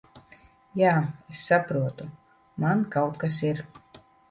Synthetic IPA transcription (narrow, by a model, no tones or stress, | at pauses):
jaːesːapɾuɔt̪u | mankawt̪kas̬iɾ